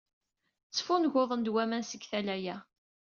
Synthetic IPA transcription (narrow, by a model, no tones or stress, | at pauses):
t͡sːfʊnʝoðˤənd̪wæmænsəɡθælæjæ